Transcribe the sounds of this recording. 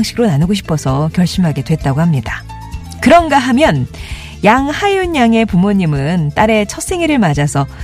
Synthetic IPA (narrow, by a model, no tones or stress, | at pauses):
ŋɕʰiɡɾonanɯɡoɕʰi̥pʰʌsʰʌkjʌɭɕ͈imɦaɡe̞dwe̞t̚t͈aɡohamɲida | kɯɾʌnɡaɦamjʌn | jaŋhajuɲaŋe̞pumoɲimɯnt͈aɾe̞t͡ɕʰʌs͈e̞ŋiɾɯɭmad͡ʑasʰʌ